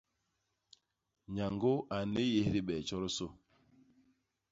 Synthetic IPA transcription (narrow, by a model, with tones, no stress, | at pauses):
ɲa˨ŋɡo˦a˨ne˦je˦hɾi˦ɓɛ˨t͡ʃɔ˦ɾo˦so˦